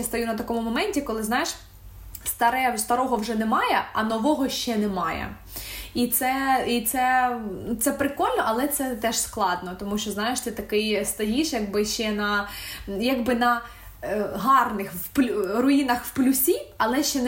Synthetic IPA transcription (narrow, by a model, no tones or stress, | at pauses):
jst̪ɐjunɐt̪̬ɐkɔmʊmɔmɛnʲtʲikɔlˠɪznɑjeʃ | st̪ɐɾɛst̪ɐɾɔɦɔwʐɛnɛmɑjɛɐ̰nɔʋɔɦɔʃt͡ʃɛnɛmɑjɛ̰ | it̪sɛit̪sɛt̪sɛpɾɪkɔlʲnɔʔɐlˠɛt̪sɛt̪ɛʃsklˠɑd̪nɔt̪ɔmuʃt͡ʃɔznɑjɪʃt̪ɪt̪ɐkɪjst̪ɐjiʃjɐɡ̚bɪʃt͡ʃɛnɐ | jaɡbɪnɐ | ɦɑrnɪxwplʲɾɔinɐxwplʲʊsʲiɐlˠɛʃt͡ʃɛn